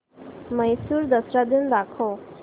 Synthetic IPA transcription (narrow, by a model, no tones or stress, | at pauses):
məjsuɾd̪əsɾad̪indakʰo